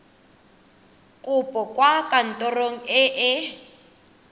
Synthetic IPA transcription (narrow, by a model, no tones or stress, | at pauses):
kʼʊpʼɔkwakʼan̩tʼɔroŋ̩ɪʔɪ